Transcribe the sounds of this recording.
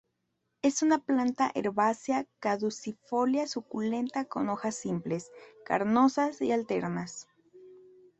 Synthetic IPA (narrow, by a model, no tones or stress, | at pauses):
e̞sunaplant̪aʔḛɾβasjakaðusifo̞ljasukule̞nt̪ako̞no̞xasːimple̞ska̰ɾno̞sasialt̪e̞ɾnas